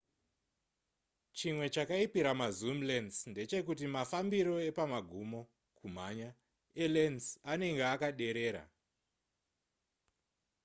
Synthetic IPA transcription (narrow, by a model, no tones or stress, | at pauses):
t͡ʃimwe̞t͡ʃakaipiɾamazumlensnde̞t͡ʃe̞kutimafambiɾo̞e̞pamaɡʱumo̞ | kum̤aɲa | elensane̞ŋɡeakaɗe̞ɾe̞ːɾa̰